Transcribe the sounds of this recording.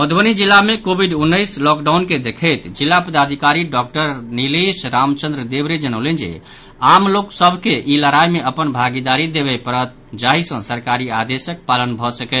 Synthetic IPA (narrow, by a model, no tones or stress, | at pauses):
məd̪bənid͡ʒilːamekobʱiɖunːəjslɔkɖaʊnked̪ekʰəjt̪d͡ʒilːapəd̪ad̪ʱikaɾiɖɔk̚ʈəɾnilisɾamt͡ʃə̃nd̪ɾəd̪ebɾed͡ʒənəʊlɛnd͡ʒḛ | amloksəbʱkeʔiləɾajmeʔəpənbʱaɡid̪aɾid̪ebɛpəɾət̪̚ | d͡ʒaɦisə̃səɾkaɾiad̪esək̚palənbʱɔsəkɛt̪